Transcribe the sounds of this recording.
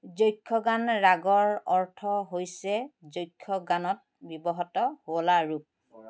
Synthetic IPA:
zojkʰːɔɡanɹaɡɔɹɔɹtʰɔɦojsɛzojkʰːɔɡanɔt̚bibɔɦɔtɔhoɔlaɹup̚

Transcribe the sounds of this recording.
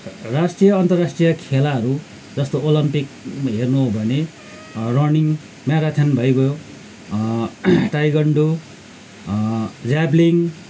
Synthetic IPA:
rasʈijʌʌnt̪ʌrasʈrijʌkʰelaɦʌɾu | d͡zʌst̪oolʌmpikɦernuɦobʱʌne | rʌniŋ | mjaɾat̪ʰenbʱʌjbʌjo | ʈajɡʌɳɖo | d͡zabliŋ

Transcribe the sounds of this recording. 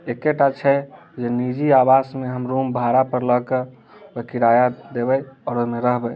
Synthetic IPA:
ekeʈat͡ʃʰɛ | d͡ʒenid͡ʒiabasmeɦəmɾumbʱaɾapəɾləke | bəkiɾajad̪ebɛjɔːɾomeɾəɦbɛ

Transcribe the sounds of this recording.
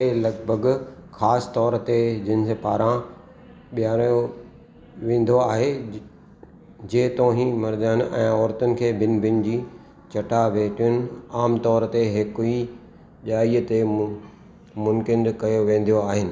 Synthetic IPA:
elɐɡbʱəɡxaːst̪ɔːɾt̪ed͡ʑɪnɪ̆sepaːɾã | ɓijaːɾjo | ʋẽːn̆d̪oaːɦe | d͡ʑeːt̪oːɦĩmɐɾd͡ʑəɪñʔɛ̃ːɔːɾt̪ʊnɪ̆kʰeːbɪnbɪnd͡ʑiː | t͡ɕɐʈʰaʋeːʈʰiʊnɪ̆aːmt̪ɔːɾt̪eɦɪkʊi | ʄaːiət̪e | mʊ̃nkɪndkɐjoʋẽːn̆d̪ijoaːɦɪnɪ̆

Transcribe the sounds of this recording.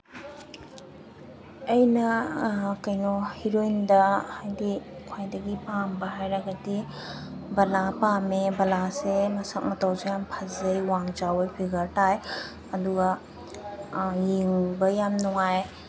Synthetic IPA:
ɐjnɐ | kɐjnuhiɾojndɐhajdikʰwajdɐɡipaŋbɐɦajɾaɡɐdi | bɐlapamebɐlasemɐsɐk̚mɐtawzejampʰɐzɐjwaŋd͡ʒawɐjpʰiɡɐɾtaj | ɐduɡɐ | jiŋbɐjamnɔŋaj

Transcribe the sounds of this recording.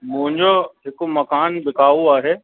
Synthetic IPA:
mʊ̃ɦɪ̃ɲd͡ʑoɦɪkomɐkaːnbɪkaːʋuaːɦeː

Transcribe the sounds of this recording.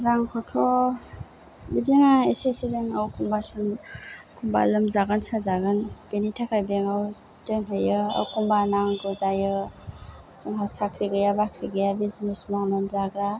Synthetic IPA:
ɾaŋkʰɔtʰɔ | biziŋaesesizeŋawkʰumbasɯnkʰumba̰lɯmzaɡansazaɡɯnb̥enitʰakʰajbeŋaw | dɯŋɦejɯa̰wkʰumbanaŋɡɯzajɯ | sɯŋɦasakʰɾiɡɯjabakʰɾiɡɯjabiznesmaŋlɯmzaɡɾa

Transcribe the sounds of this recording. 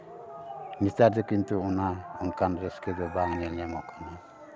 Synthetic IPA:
mistaɾdɛkint̪uɔnaɔŋkanɾɛskɛd̪ɔbaŋnɛlamɔʔkʰana

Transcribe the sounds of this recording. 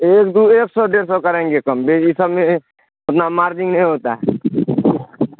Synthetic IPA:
eːkd̪ueːksɔɖeːɾsɔkəɾẽːŋɡekəmbʱeɪsəbmẽ | ʊt̪namaːɾd͡ʒĩŋɡnəĩɦoːt̪aɦɛ

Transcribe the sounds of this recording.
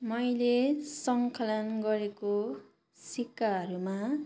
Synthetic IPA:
mʌjlesʌŋkʰʌlʌnɡʌɾeko | sikːaɦʌɾuma

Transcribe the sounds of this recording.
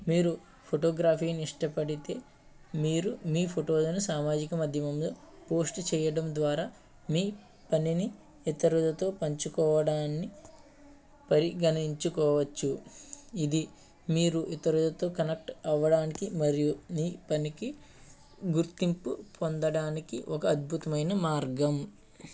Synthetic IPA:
miːɾu | pʰoʈoːɡɾaːpiːniiʂʈɐpɐɽit̪e̞ː | miːɾumiːpʰoʈoːlɐnusaːmaːd͡ʒikɐmɐd̪ʱjɐmɐmloː | po̞ːsʈt͡ʃɛːjɐɽɐmd̪ʋaːɾaː | miː | pɐnini | it̪ɐɾulɐt̪o̞ːpɐɲt͡ʃukɔːʋɐɽaːnːi | pɐɾiɡɐniɲt͡ʃukɔːʋɐt͡ʃːuid̪i | miːɾuʔit̪ɐɾulɐt̪o̞ːkɐnek̚ʈɐʋɐɽaːnikimɐɾijumiːpɐniki | ɡuɾt̪impupond̪ɐɽaːnikiʔɔkɐːd̪̚bʱut̪ɐmɐjnɐmaːɾɡɐm

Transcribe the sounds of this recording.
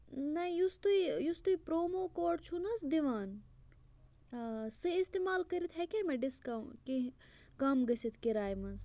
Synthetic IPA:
nɐjust̪uijust̪uipɾoːmoːkoːɖt͡ʃʰunɐsd̪iʋaːn | sɨist̪emaːlkɐɾit̪ʰɦɛkʲemeɖiskɐki | kɐmɡɐsit̪ʰkiɾaːjmɐns

